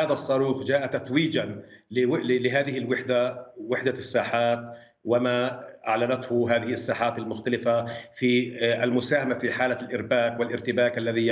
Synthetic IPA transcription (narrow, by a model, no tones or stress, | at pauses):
aːðaʔsˤːɑɾuːxd͡ʒaːʔat̪at̪wiːd͡ʒanɪɪlɪɦaːðɪhɪlwɪħd̪awɪħd̪asːaːħaːt̪̚ | wɪmaʔa̰ʕlanat̪hʊɦaːðɪhɪasːaːħaːt̪almʊxt̪alɪfafiːalmʊsaːhamafiħaːlalʔɪɾbaːkwɪlʔɪɾt̪ɪbaːkʔalːaði